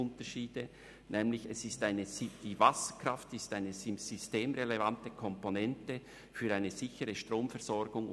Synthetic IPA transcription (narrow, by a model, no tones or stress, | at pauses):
ʊntəʃiːd̥ə | nʔɛːmlɪçɛsɪstaɪnəzd̥iːvɑsəkɾ̥ɑftɪstaɪnəzɪmz̥ysteːmʁelevantəkʰɔmponɛntə | fyːɐɾaɪnəz̥ɪçəʁəʃtʁoːmfɛɐʁz̥ɔɾɡʊŋ